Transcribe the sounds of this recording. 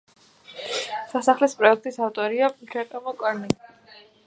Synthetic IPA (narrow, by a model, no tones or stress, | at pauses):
sasaχlɛspʼɾɔɛk̚ʰt̪ʼisaft̪ʼɔɾiakʰɛt̪ʼɔmɔkʼɔɾni